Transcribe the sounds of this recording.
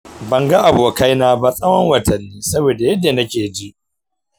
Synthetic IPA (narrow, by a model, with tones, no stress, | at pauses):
bɐ˨ŋɡa˦ʔa˨boː˨ka˦jnaː˦ba˦sʼɐ˦wɐ˦ŋwɐ˨tʰɐ˨nːiː˦sɐ˦boː˨da˨jɛ˦dːa˨nɐ˦kʲeː˨d͡ʒi˦ʔ